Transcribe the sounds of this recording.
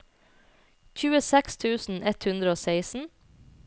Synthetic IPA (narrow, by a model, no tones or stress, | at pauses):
c͡çʉːəsɛkst̪ʰʉːsn̩ɛt̪hʉnd̪ɾəoːseɪsn̩